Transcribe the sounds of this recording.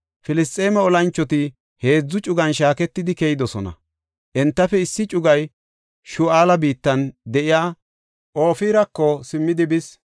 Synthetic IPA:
fɪlɪst̪ʼːe̞ːmɐɔlɐnt͡ʃːɔt̪ɪ | he̞ːd͡zːʊt͡ʃʼʊɡɐnʃaːkɛt̪ːɪd̪ɪkɛjɪd̪ɔsɔnɐ̰ | ʔɛnt̪ːɐfɛɪsːɪt͡ʃʼʊɡɐj | ʃʊaːlɐbiːt̪ːɐnd̪ɛʔɪjaː | ʔo̞ːfiːɾɐkːɔsɪmːɪd̪ɪbɪs

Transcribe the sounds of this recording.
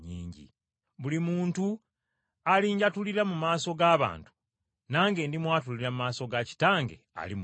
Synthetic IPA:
ɲḭːɲɟḭ | βulimuːntu | aliːɲɟatuliɾamumaːso̞ɡaːβa̰ːntu̥ | naːŋɡe̞ːndimwaːt̬uliɾamumaːso̞ɡaci̥taːŋɡḛa̰lim

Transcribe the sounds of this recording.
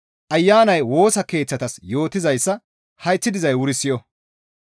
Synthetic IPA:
ʔɐjːaːnɐjwo̞ːsɐke̞ːt͡sːɐt̪ɐsjo̞ːt̪ɪzɐjsːɐ | hɐjt͡sːɪd̪ɪzɐjwʊɾɪsːɪjɔ

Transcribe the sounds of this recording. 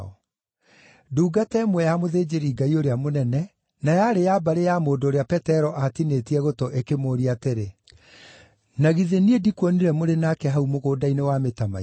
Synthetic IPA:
ɔ̰ | duːɡatɛmwɛjamoðeːd͡ʑeɾiɡaioɾeamonɛnɛ | najaɾejabaɾejamoːdoːɾeapɛtɛɾɔʔatinetiɛɣotɔʔekemoːɾiateɾe | naɣiðeniedikwɔniɾɛmoɾenakɛɦaumoɣoːdainewametama̰

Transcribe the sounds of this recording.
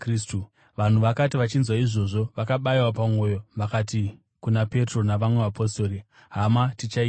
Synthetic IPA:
kristu | ʋan̤uʋakatiʋat͡ʃinzwaiʐo̞ʐo̞ʋakaɓaiwapamo̞ːjo̞ʋakati | kunape̞tro̞naʋamwe̞ʋapʰo̞sto̞ːɾi | ɦamatit͡ʃai

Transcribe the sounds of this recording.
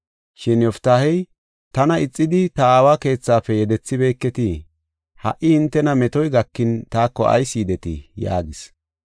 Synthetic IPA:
ʃɪnɔft̪aːhɛj | t̪ɐnɐɪt͡sʼːɪd̪ɪt̪ɐaːwaːke̞ːt͡sːaːfɛjɛd̪ɛt͡sːɪbe̞ːkːɛt̪i | hɐ̰ʔɪhɪnt̪ːɛnɐmɛt̪ɔjɡɐkːɪnt̪aːkːɔʔɐ̰jsiːd̪ɛt̪ɪ̰ja̰ːɡɪs

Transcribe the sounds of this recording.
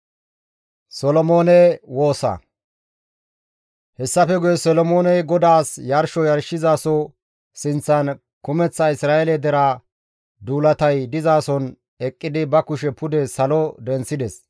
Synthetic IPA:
sɔlɔmo̞ːnɛwo̞ːsɐ̰ | hɛsːɐfɛɡʊjɛsɔlɔmo̞ːnɛjɡɔd̪aːsjɐɾʃɔjɐɾʃɪzaːsɔ | sɪnt͡sːɐn | kʊmɛt͡sːɐɪsɾaːɛlɛd̪ɛɾa | d̪uːlɐt̪ɐjd̪ɪzaːsɔn | ɛkʼːɪd̪ɪbɐkʊʃɛpʊd̪ɛsɐlɔd̪ɛnsɪd̪ɛs

